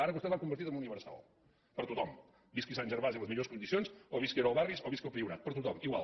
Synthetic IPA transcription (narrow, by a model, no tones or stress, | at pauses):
aɾəkust̪ɛt̪βakumbəɾt̪it̪əmuniβəɾsa̰lˠ | pəɾt̪ut̪ɔm | biskisanʲʒəɾβaziəlˠəzmiʎoskund̪isijonsoβiskeɾəlˠβarβisoβiskəlˠpɾiuɾa̰t̪̚pəɾt̪ut̪ɔmiɣwa̰lˠ